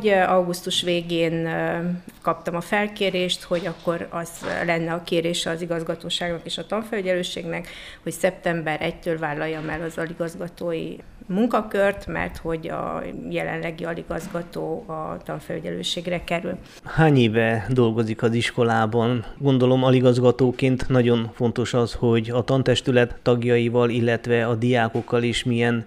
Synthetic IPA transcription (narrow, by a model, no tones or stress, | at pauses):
ɒwɡust̪uʃʋeːɡeːn | kɒp̚t̪ɒmɒfɛlkeːɾeːʃt̪ho̞ɟɒkːo̞rɒz̥lɛnːɛɒkeːɾeːʃɛɒːziɡɒzɡɒt̪oːʃaːɡnɒkeːʃɒt̪ɒɱfɛlyɟɛløːʃḛːɡnɛkho̞csɛp̚t̪ɛmbɛɾʔɛct̪øːlvaːlːɒjːɒmɛlɒzɒliɡɒzɡɒt̪oːjḭ | muŋkɒkørt̪mɛ̰rt̪ho̞ɟɒ̰jɛlɛ̰nlɛɡiɒliɡɒzɡɒt̪oːɒ̰t̪ɒɱfɛlyɟɛlø̰ːʃeːɡrɛkɛɾy̰l | haːɲeːvɛd̪o̞lɡo̞zikɒziʃko̞laːbɒnɡo̞nd̪o̞lo̞mɒliɡɒzɡɒt̪oːkeːnt̪nɒɟo̞nfo̞nt̪o̞ʃɒsho̞ɟɒt̪ɒnt̪ɛʃt̪ylɛt̪ːɒɡjɒjivɒlilːɛt̪ʋɛɒd̪ijaːko̞kːɒleːʃmijɛn